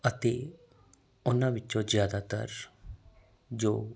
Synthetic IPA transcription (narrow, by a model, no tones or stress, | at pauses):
ət̪eː | ʊnãʋɪt͡ʃõzjaːd̪at̪ə̰ɾ | d͡ʒoː